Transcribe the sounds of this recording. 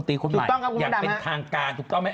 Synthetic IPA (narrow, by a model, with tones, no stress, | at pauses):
nt̪iː˧˩kʰo˧nː˨ma˨˩˦tɔ˥˩ka˦˥˩kjaː˨˥˩da˧eha˦˥t̪ʰaː˧ŋkaː˧nt̪ʰuː˨˩˦t̪ɔ˥˩ma˥˩